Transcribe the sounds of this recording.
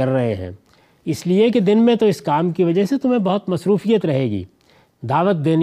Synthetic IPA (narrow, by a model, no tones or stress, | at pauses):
ɐɾːɐɦeɦɛ̰̃ː | ɪsliek̬ed̪ɪnmẽt̪oɪskaːmkiʋɐd͡ʒəɦset̪ʊmẽbɐɦʊt̪mɐsɾuːfijət̪ɾɐɦeːɡḭː | d̪aːʋət̪̚d̪eːn